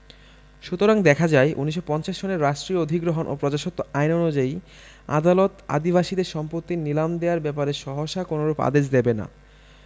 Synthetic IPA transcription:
ʃut̪oɾaŋd̪ɛkʰad͡ʑaeʔunːiʃːopɔnt͡ɕaʃɕoneɾːaʃʈɾiod̪ʱiɡɾoɦonʔo̰pɾɔd͡ʑaʃot̪ːoajnɔnud͡ʑai | a̰d̪alot̪a̰d̪iβaʃid̪eɾʃɔmpɾot̪ːinilamd̪eaɾbɛpaɾeɾʃɔɦoʃakonoɾupa̰d̪eʃd̪ebena̰

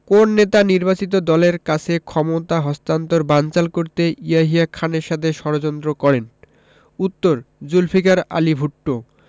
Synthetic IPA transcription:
konːet̪aniɾbat͡ɕit̪̬od̪ɔleɾkat͡ɕʰekʰɔmot̪aɦɔst̪ant̪oɾbant͡ɕalkoɾt̪eiaɦiakʰaneɾʃat̪ʰeʃɔɾod͡ʑont̪ɾokɔɾen | ut̪ːoɾd͡ʑulfʰikaɾa̰libʱuʈːo

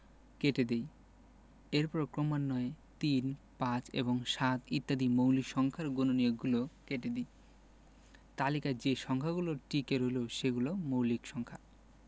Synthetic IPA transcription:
keʈed̪ej | eɾpɔɾekɾomanːɔet̪inpãt͡ɕḛβoŋʃat̪it̪ːad̪imowlikʃɔŋkʰaɾɡononioɡulokeʈed̪ej | t̪alikad͡ʑeʃɔŋkʰaɡuloɾʈikeɾojloʃeɡulomowlikʃɔŋkʰa

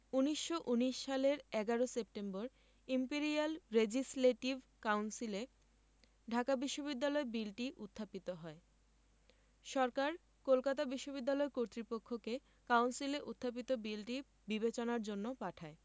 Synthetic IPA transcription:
uniʃːoʔuniʃʃaleɾɛɡaɾosep̚ʈemboɾ | impeɾialɾed͡ʑisleʈiv | kawnsile | ɖʱakabiʃːobid̪ːalɔebilʈiʔut̪ʰːapit̪oɦɔe | ʃɔɾkaɾ | kolkat̪abiʃːobid̪ːalɔekoɾt̪ɾipokʰːoke | kawnsileʔut̪ʰːap̬it̪obilʈi | bibet͡ɕonaɾd͡ʑonːopaʈʰae

